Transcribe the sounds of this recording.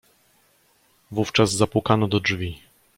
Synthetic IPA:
vuft͡ʂazzapwukanɔd̪ɔʐvʲi

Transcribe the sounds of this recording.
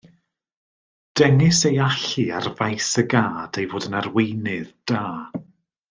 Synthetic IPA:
d̥ɛŋɨsejaɬɨarvajsəɡaːd̥ejvoːdənarwejnɨðd̥aː

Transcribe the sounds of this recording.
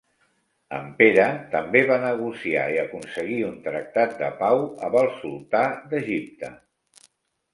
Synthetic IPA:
ə̰mpeɾət̪əmbeβanəɣ̞usia̰iəkunsəɣiunt̪ɾək̚t̪at̪̚d̪ə̰pawə̰βəlˠsulˠt̪ad̪əʒip̚t̪ə

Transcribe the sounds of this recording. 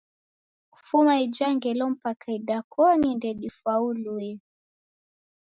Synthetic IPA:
ufumaid͡ʒaŋɡɛlɔm̩pakaiɗakɔnindɛɗifwauluɛ

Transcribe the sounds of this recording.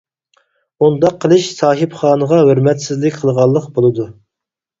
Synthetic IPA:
und̪ɑqʰːəlˠɨʃsɑːɦɨpχɑːnəʁɑɦøɾmɛt̪sɪzlɪkʲqʰəlˠʁɑlˠːəqbolˠɨd̪u

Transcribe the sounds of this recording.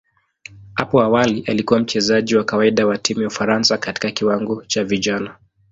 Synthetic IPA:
hapɔawaliʔalikuwam̩t͡ʃɛzaʄiwakawaiɗawatimujaufaɾansakati̥kakiwaŋɡɔt͡ʃaviʄana

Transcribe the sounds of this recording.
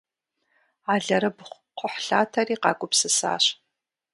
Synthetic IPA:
aːɮɐɾɐbʷ | qʷʊħɬaːtʰɐriːqɑ̰ːɡʷʼʊpsɨsa̰ːɕ

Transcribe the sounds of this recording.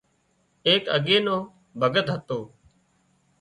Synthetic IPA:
eːkə̰ɠeːnõː | bʱəɡət̪ɦət̪oː

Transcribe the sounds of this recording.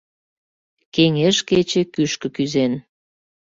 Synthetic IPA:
keŋeʃket͡ɕĕkyʃkə̆kyzen

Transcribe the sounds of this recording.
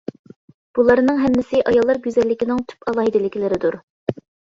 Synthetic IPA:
b̥ulˠɑɾnɨŋɦɛmːɪsɪʔɑjɑlˠːɑɾɡʲyzɛlːɪkʲinɪŋt̪ʰy̥pɑlˠɑːɦid̪ɪlːɪkʲʰilɪɾɪd̪uɾ

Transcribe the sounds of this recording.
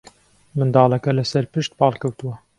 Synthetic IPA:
mɨnd̪ɑːlɛkɛlɨsɛɾpɨʃt̪̚pɑːlkʰɐwt̪ɨwɐ

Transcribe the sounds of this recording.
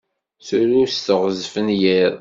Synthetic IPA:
θuɾust̪əʁzfənjiɾˤ

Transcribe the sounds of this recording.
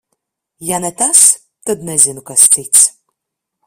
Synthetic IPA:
janɛt̪as | t̪ɐd̪nɛzʲɪnukast͡s̪ɨt̪s

